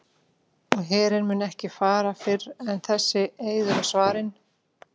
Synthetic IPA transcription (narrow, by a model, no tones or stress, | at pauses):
ɔɣɦɛːɾɪnmʏnɛhcɪfaːɾafɪɾɛnθɛsːɪeːjðʏɾasvaːɾɪn